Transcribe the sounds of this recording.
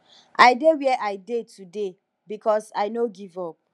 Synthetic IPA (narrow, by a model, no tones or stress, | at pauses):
ʔaɪdewɛʔaɪdetʰude | bikʰɔsaɪnoɡivɔp̚